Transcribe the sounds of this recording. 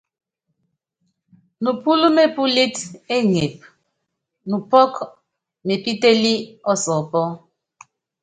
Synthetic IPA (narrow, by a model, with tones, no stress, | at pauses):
nu˨pu˦lu˦me˨pu˦le˦te˦ŋe˨p̚ | nu˨pɔ˦k | me˨pi˦te˦li˦ɔ˦sɔ˨pɔ˦